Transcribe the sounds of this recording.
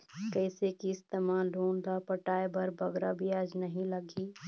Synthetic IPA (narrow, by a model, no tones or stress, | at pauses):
kɛɪsekiɪst̪emaːlɖʱuːnlapəʈaːebɐɾbɐɡɾabʱiaːd͡ʒnəɦĩləɡi